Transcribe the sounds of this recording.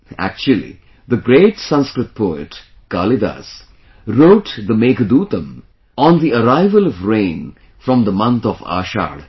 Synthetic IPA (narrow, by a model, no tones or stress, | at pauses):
æ̰k̚t͡ʃuəlḭ | ðəɡɾeːʈsʌ̃nskɾɨt̪̚pʰoɪ̰ʈ | kaːlid̪a̰s | ɾoːʈd̪əmeːkəd̪uːt̪ə̃m | ɔ̃nd̪iəɾaɪvəlɔvɾẽːn | fɾʌ̃md̪əmʌ̃nt̪ɔva̰ːʃa̰ːɖ